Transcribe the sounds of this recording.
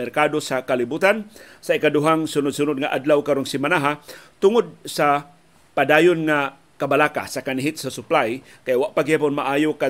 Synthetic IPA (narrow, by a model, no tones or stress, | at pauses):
ɛrkadosakalibut̪an | saikaduɦaŋsʊnʊd̪̚sunʊd̪̚ŋaʔadlawkaɾʊŋsimanaɦat̪ʊŋʊd̪̚sa | padajʊnŋa | kabalaka̰sakaniɦɪt̪̚sasʊplaj | kajaʔwaʔpaɡiapʊnmaʔajoka